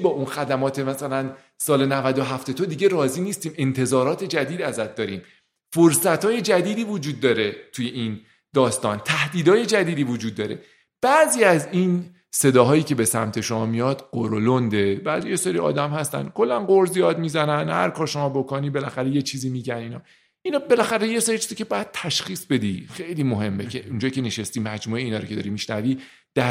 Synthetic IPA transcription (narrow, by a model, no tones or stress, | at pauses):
bɒːʔunxæd̪æmɒːt̪ʰe̞mæsælæn | sɒːle̞nævæd̪oɦæft̪e̞t̪ʰod̪iɟe̞ɾɒːziːniːst̪iːme̞nt̪ʰe̞zɒːɾɒːt̪ʰe̞d͡ʒæd̪iːd̪æzæt̪̚d̪ɒːɾiːm | foɾsæt̪ʰhɒːje̞d͡ʒæd̪iːd̪iːvod͡ʒuːd̪̚ːɒːɾe̞t̪ʰuje̞ʔin | d̪ɒːst̪ɒ̰ːnt̪ʰæhd̪iːd̪ɒːje̞d͡ʒæd̪iːd̪iːvod͡ʒuːd̪̚ːɒːɾe̞̰ | b̥æʔziːæzin | se̞d̪ɒːɦɒːjiːce̞be̞sæ̰mt̪ʰe̞ʃo̞mɒːmijɒd̪̥ɢ̥oɾolond̪e̞bæ̰ːzijeseɾiɒ̰ːd̪æmhæst̪æ̰nkʰo̞lːænɢoɾzijɒːd̪mizænænhæ̰ɾkʰɒːɾʃo̞mɒːbo̞koniːbe̞læxæɾeje̞t͡ʃʰiːziːmiːɟæniːnɒː | inɒːbe̞læxæɾejeseɾit͡ʃʰiːz̥iːcʰe̞bɒːjæd̪̥̚t̪ʰæʃxiːsbe̞d̪ixe̞jliːmoɦe̞mːe̞cʰeʔund͡ʒɒːjicʰe̞neʃest̪imæd͡ʒmuːeiːnɒːɾocʰed̪ɒ̰ɾimiʃnæviː | d̪̥æ